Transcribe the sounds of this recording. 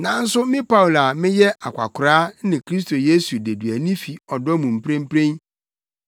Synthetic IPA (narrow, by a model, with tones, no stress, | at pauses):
nã˨n̩˦sʊ˦mɪ̃˦pa˦wla˨mɪ̃˦jɛ˦ʔa˨kʷʰa̰˨kʰʊ˨ɾaː˦nɪ̃˨kʰɾi˦s̬tʰo˨je˦su˨de˨dɥæ˨nĩ˦fi˨ɔ˨dɔ˦mũ˨m̩˨pɾẽ˦m̩˦pʰɾẽ˦n